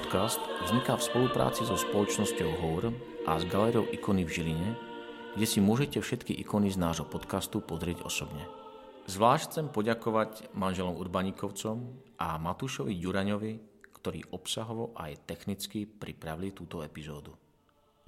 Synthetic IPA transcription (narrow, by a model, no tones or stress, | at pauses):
ɔt̪kast̪vzɲikafspɔlupɾa̰ːt͡sizɔspɔlɔt͡ʃnɔscɔʊɦɔʊɾ | ʔazɡalɛɾiɔʊʔikɔnivʒiliɲɛ | ɡ̥ɟɛsimʊɔʒɛcɛfʃɛt̪kiʔḭkɔniznaːʒɦɔpɔt̪kast̪upɔzɾɪɛɟɔ̰sɔbɲɛ | zʋlaːʃcʰːt͡sɛmpɔɟakɔʋaɟmanʒɛlɔmuɾbaɲikɔʊt͡sɔmʔamat̪uʃɔʋiɟuɾaɲɔʋikt̪ɔɾḭːʔɔpsaɦɔʋɔʔa̰jt̪ɛxnit͡skipɾipɾaʋilit̪uːt̪ɔɛpizɔːd̪u